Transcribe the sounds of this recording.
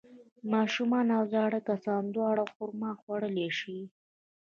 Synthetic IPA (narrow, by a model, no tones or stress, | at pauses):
mɑʃumɑnawzɑɽəkasɑnd̪wɑɽaxʊɾmɑxwaɽəleʃi